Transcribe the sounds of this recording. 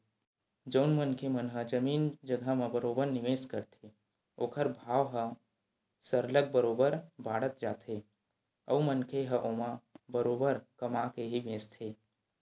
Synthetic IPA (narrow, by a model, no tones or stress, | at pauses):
d͡ʒəʊnmənkʰemənɦəd͡ʒəmiːnd͡ʒəɡʱamə̃bəɾoːbəɾnɪʋeːskəɾt̪ʰe | oːkʰəɾbʱaːʋɦə | səɾlək̚bəɾoːbəɾbaːɽət̪d͡ʒaːt̪ʰe | əumənkʰeɦəʔoːmãbəɾoːbəɾkəmakeɦibẽːst̪ʰe